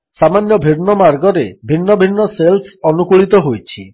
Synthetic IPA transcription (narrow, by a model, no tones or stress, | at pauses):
samanjɔbʱiɾnɔmaɾɡɔɾebʱinːɔbʱinːɔselsɔnukuɭit̪ɔɦojt͡ʃʰḭ